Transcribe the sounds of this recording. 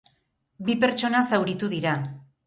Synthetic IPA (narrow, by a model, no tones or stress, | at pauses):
bipe̞ɾt͡ʃo̞nasawɾit̪uðiɾa